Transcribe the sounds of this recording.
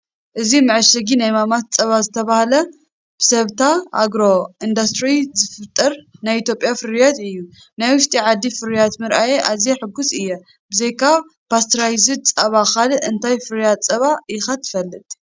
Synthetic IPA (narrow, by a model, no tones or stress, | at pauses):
ʔɨzimɨʕɨʃɐɡinajmamat̪̚t͡sʼɐβazɨt̪ʰɐβahlɐ | b̥ɨsɐβt̪ʰaʔa̰ɡɾo̞ʔind̪ast̪ɾizɨfɨt̪ʼːɐɾnajit̪ʰjo̞pʼjafɨɾjat̪ɨjːu | najwʊʃt̪ʼiʕad̪ːifɨɾijat̪mɨɾʔajeʔazeħɨɡusɨjːɛ | b̥ɨzejkʰaβ | pʰast̪ʰɾajzɨd̪̚t͡sʼɐβakalʔɨnt̪ʰajfɨɾjat̪t͡sʼɐβajɪxat̪ʰːɨ̥fɐlːɨt̪ʼ